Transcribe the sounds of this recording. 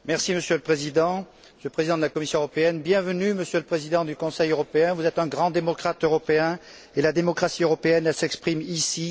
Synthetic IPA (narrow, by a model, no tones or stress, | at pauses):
mɛʁsiməsjøləpχezid̪ɑ̃ | məsjøləpχezid̪ɑ̃d̪əlakɔmisjɔ̃øəʁɔpeɛnbjɛ̃vənyməsjøləpχezid̪ɑ̃d̪ykɔ̃sɛjøʁɔpeɛ̃vuzɛt̪ɛ̃ɡʁɑ̃d̪emɔkχat̪øʁɔpeɛ̃ | elad̪emɔkχasiøʁɔpeɛnɛsɛkspχimisi